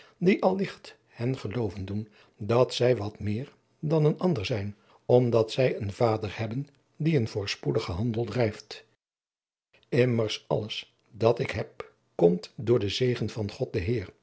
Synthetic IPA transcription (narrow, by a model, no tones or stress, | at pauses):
diʔɑlˠːɪχt | hɛnχəlowvəndun | dɑtsɛjʋɑtmɪːɹ | dɑnənɑndəɹzɛjn | ɔmdɑtsɛjənvaːdəɹhɛbən | diənvʊːɹspudəχəɦɑndəlˠdrɛjft | ɪməɹsɑ̰ləs | dɑtɪkɦɛp̚ | kɔmtdʊːɹdəzejχənv̥ɑnχɔt̚dəɦɪːɹ